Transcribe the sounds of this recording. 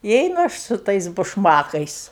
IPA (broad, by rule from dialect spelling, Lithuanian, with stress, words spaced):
ɪ ˈɛɪnʊ ˈɐʃ sʊ ˈtɐɪs bʊʃˈmɑːkɐɪs